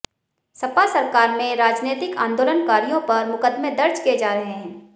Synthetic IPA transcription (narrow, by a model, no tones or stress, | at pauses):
sɐpasɐɾkaːɾmẽɾaːd͡ʒneːt̪ɪkã̰ːnd̪oːlənkaːɾijõpɐɾmʊkəd̪mẽd̪ɐɾd͡ʒkied͡ʒaːɾɐɦeɦɛ̃ː